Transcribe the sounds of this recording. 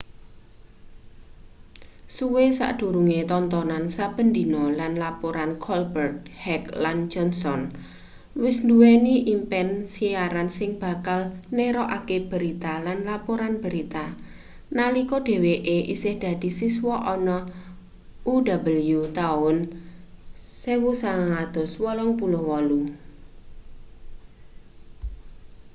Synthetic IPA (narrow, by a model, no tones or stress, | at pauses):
suwesa̰ʔd̪̥ṳɾuŋet̪ɔnt̪ɔnansab̥ə̤nd̪inɔlanlapoɾankʰɔlbərt̪̚hɛkland͡ʒ̥ɔnsɔn | wɪsluwɛniʔimpɛnsiaɾansɪŋb̥a̤kalneɾɔʔakeb̥ə̤ɾit̪alanlapoɾanb̥ə̤ɾit̪a | nalikɔɖ̥e̤weʔeʔḭsɪhd̪̥ä̤d̪̥i̤siswɔʔɔnɔ | ʔudabəljut̪aʊn | sewusaŋaŋad̪̥ɔ̤swɔlɔŋpulʊhwɔlu